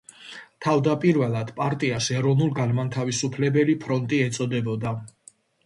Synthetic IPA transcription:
t̪ʰavd̪apʼiɾvɛlˠad̪̥pʼaɾt̪ʼiasɛɾɔvnulˠɡanmant̪ʰavisupʰlɛbɛlipʰɾɔnt̪ʼiɛt̪sʼɔd̪ɛbɔd̪a

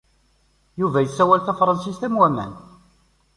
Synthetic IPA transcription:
juvæjəsːæwælθæfɾˤɑnsist̪æmwæmæ̰n

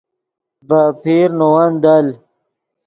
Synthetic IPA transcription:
bapʰiːɾnowand̪al

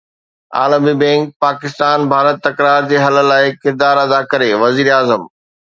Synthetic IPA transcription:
a̰ːləmibɛ̃ːŋk̚paːkɪst̪aːnbʱaːɾət̪ːɐkɾaːɾd͡ʑeːɦɐlə̆laːɪkɪɾd̪aːɾɐd̪akɐɾeʋɐziːɾaːzəm

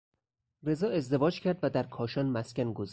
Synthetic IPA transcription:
re̞zɒːe̞zd̪e̞vɒːd͡ʒcʰæɾd̪væd̪æɾkʰɒːʃɒːnmæscʲænɡoz

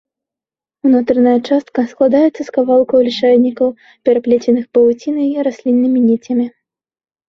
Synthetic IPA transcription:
unat̪ɾɨnɐjɐt͡ʂast̪̚kɐsklˠad̪ajɛt̪sːɐskavalˠkɐwlʲiʂanʲikɐw | pʲɛɾaplʲet͡sʲɛnɨxpɐlˠut͡sʲinɐɾasʲlʲinːɨmʲinʲit͡sʲɐmʲi

